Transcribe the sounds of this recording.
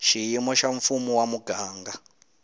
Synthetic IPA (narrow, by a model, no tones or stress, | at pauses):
ʃijimɔʃaɱ̩fumuwamuɡ̥ʱaːŋɡa